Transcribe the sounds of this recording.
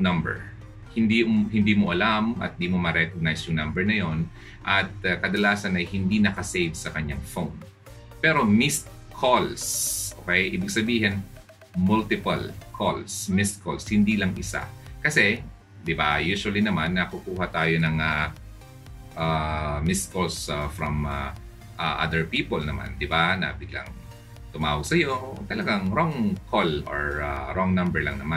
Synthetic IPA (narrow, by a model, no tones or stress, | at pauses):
nɐmbɛ̰ɹ | hɪnd̪ihɪnd̪iːmoʔɐlamʔɐ̰t̪̚d̪iːmomɐɾɛkoɡ̚najsjʊŋnɐmbɛɹnɐjon | ʔɐt̪̚ɐkɐd̪ɐlaːsɐnɐjhɪnd̪inɐkɐsejvsɐkɐɲaŋfown | pɛːɾo̞mɪst̪̚ | kʰolsʔo̰kɛjʔɪbɪɡ̚sɐbiːɦɛn | mʊlt̪ɪpɐ̰lkʰo̰lsmɪst̪̚kʰo̰lshɪnd̪iːlɐŋʔɪsa̰kɐsɛ | d̪ɪba̰juːʃwɐlinɐmanːɐkukuːɦɐt̪aːjonɐŋa | ʔamɪst̪̚kolsafɹɐma̰ | ʔaʔa̰d̪ɛɹpiːpolnɐma̰nd̪ɪbanɐ̰bɪɡla̰ŋ | t̪ʊmaːwʊɡ̚sɐjot̪ɐlɐɡaŋɾoŋkʰolo̰ɹa̰ɾoŋnɐmbɛɹlɐ̰ŋnɐma